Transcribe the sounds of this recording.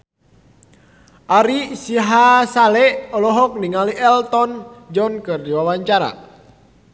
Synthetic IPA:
ʔaɾisiɦasalɛʔɔlɔɦɔk̚niŋaliʔɛlt̪ɔnd͡ʒɔnkɨrdiwawaɲt͡ʃaɾa̰

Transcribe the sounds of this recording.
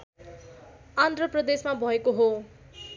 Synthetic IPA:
and̪ʱrʌprʌd̪esmabʱʌekoɦo

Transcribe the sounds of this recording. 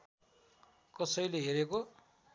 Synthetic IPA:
kʌsʌjleɦeɾeko

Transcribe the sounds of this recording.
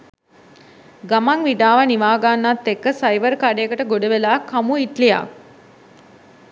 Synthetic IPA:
ɡamaŋʋiɖaːʋaniʋaːɡanːat̪ːekəsajʋəɾkaɖejəkəʈəɡoɖəʋelaːkʰːamuiʈlija̰k̚

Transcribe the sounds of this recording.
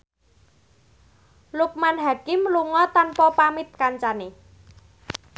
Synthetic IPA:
luk̚manɦakɪmluŋɔt̪anpɔpamɪt̪̚kaɲt͡ʃane

